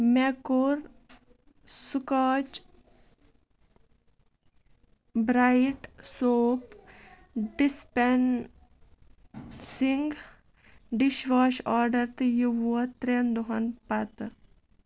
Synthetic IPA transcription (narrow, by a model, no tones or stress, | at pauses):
mekoɾ | sukaːt͡ʃ | bɾajiʈsoːp | ɖispen | siŋɡ | ɖiʃʋaːʃaːɾɖɐɾt̪juʋɐt̪ɾend̪oɦɐnpɐt̪